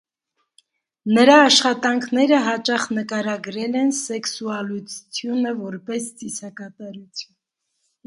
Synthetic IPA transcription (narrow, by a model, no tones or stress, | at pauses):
nəɾɑːʃχɑt̪ɑŋkʰnɛɾəɦɑt͡ʃɑχnəkɑɾɑɡɾɛlɛnsɛksuɑlut͡st͡sʰjunəvɔɾpɛst͡sisɑkɑt̪ɑɾut͡sʰjun